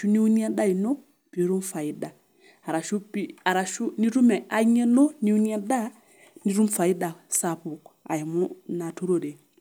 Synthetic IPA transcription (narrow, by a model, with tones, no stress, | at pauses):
ʃu˦ni˦u˦ni˦a˦da˦i˨no˦ | pi˨˦ɾu˦mfa˨i˦da˨ | a˨ɾa˨ʃu˦pi˦a˨ɾa˨ʃu˦ni˦ɾu˦ma˨a˨˦ɲe˦no˦ni˦u˦ni˦a˦da˦ | ni˦ɾu˦mfa˨i˦da˨sa˨pu˨ka̰˨ja˨mu˦na˨tu˦ɾo˦˨de˨